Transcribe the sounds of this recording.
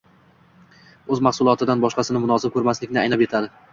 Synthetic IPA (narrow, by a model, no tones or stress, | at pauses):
ɵzmaχsʊlˠɒt̪ʰɪd̪anbɒʃqɑsɪnɪmʊnɒzɪkʰɵɾmaslɪkʲnɪajnapet̪ʰad̪ɪ